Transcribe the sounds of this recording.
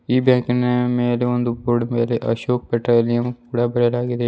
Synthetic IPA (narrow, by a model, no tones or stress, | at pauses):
iːbɛ̃ːknemeːɾeʋɐnd̪ʱuboːɖmeːleʔɐ̰ʃoːk̚pɛʈɾoːlijəmpuːɽabɐɾelaːɡed̪e